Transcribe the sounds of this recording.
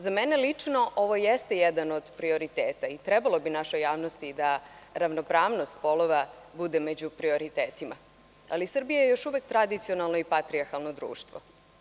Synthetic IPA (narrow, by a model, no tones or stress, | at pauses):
zamɛnelit͡ʂno̞ʔo̞ʋo̞jest̪ejed̪ano̞d̪pɾio̞ɾit̪eːt̪ait̪ɾɛbalˠo̞binaʃojaːʋno̞st̪id̪aɾaʋnopɾaːʋno̞st̪̚po̞lˠoʋabud̪emed͡ʑupɾio̞ɾit̪eːt̪ima̰ | a̰lisr̩bijajejo̞ʃuʋek̚t̪ɾad̪it̪sio̞nalˠno̞ipat̪ɾiaɾxalˠno̞d̪ɾṵːʃt̪ʋo̰